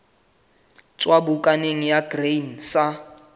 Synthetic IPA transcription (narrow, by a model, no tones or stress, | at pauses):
t͡sʼwabukʼaneŋ̩jaɡrensa